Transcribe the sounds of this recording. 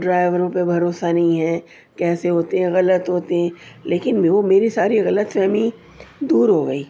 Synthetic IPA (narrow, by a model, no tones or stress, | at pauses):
ɖɾaːɪʋəɾõpebʱɐɾoːsanɐɦĩɦɛ̃ː | kɛːseɦoːt̪eɦɛ̃ɣɐlət̪ɦoːt̪eɦɛ̃ːleːkɪnʋomeːɾisaːɾiɣɐlət̪seɦɐmĩ | d̪uːɾɦoːɡəiː